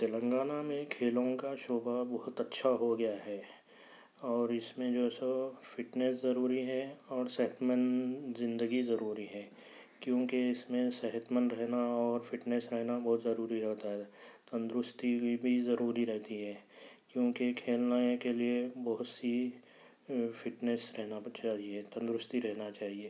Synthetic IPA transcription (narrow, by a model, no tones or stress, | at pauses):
t̪elə̃ŋɡaːnamẽkʰeːlõkaʃoːbabɐɦʊt̪ɐtːʃʰaɦoɡɐjaɦɛː | ɔːɾɪsmẽd͡ʒoːsofɪʈnɛszɐɾuːɾiɦɛɔːɾsɛɦət̪mənzɪ̃nd̪əɡizɐɾuːɾiɦɛː | kjõːkeɪsmẽsɛɦət̪mənɾɛɦnaɔːɾfɪʈnesɾɛɦnabɐɦʊt̪zɐɾuːɾiɾɛɦt̪aɦɛt̪ə̃nd̪ɾʊst̪ibʱizɐɾuːɾiɾɛɦt̪iɦɛːkjõːkekʰeːlnaːekeliebɐɦʊt̪si | fɪʈnesɾɛɦnat͡ʃaːɦiet̪ə̃nd̪ɾʊst̪iɾɛɦnat͡ʃaːɦieː